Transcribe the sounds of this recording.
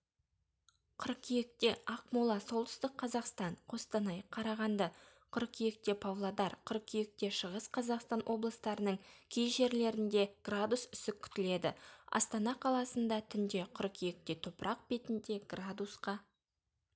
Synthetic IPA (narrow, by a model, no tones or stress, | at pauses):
qʰʊɾqkʲʰijek̚t̪e̞ɑq̚mulˠɑso̞lˠt̪ʏ̥st̪ɪkʰːɑzɑqst̪ɑɴqʰo̞st̪ɑnɑjqʰːɑɾɑʁɑnd̪ɑqʰʊɾkʲʰijek̚t̪e̞pʰavlˠad̪ɑɾqʰʊɾqkʲʰijek̚t̪e̞ʃəʁəsqʰɑzɑqst̪ɑnwʔo̞blˠəst̪ɑɾənəɴkʲʰejʒe̞ɾle̞ɾɪnd̪e̞ɡ̥rad̪usʏ̥sɪkʲʰʏ̥t̪ɪle̞d̪ɪ̰ɑ̰st̪ɑnɑqʰɑlˠɑsənd̪ɑt̪ʰʏnd̪e̞qʰʊɾkʲʰijek̚t̪e̞t̪ʰopəɾʔɑq̚b̥e̞t̪ɪnd̪e̞ɡrad̪usqɑ